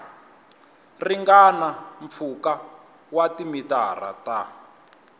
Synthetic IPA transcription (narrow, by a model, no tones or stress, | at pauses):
riŋɡanaɱp̪fʰuka | watimita̰ra̰ta